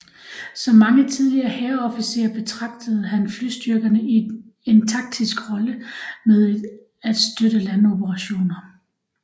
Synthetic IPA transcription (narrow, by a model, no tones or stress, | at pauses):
sɒ̽mːɑ̈ŋət͡sʰið̞ˠliɐːheɐɒ̽fisḛːɐb̥e̝t͡sʰʁɑ̈ɡ̥̚d̥əð̞̩ˠɦænflyːsd̥yɐɡ̥ɐnəi | e̝nt͡sʰɑ̈ɡ̥̚d̥ʰisɡ̥ʁɒ̽ləmeð̞ˠ | æd̥sd̥ødəlæno̝b̥əʁɑ̈ɕo̝̰ːnɐ